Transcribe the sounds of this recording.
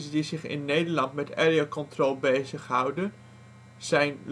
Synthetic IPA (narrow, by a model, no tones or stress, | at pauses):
zdizɪχɪ̰nːejdəɹlɑntmɛtɛɹiokɔntrolˠbejzəχɦʌwdə | z̥ɛjnl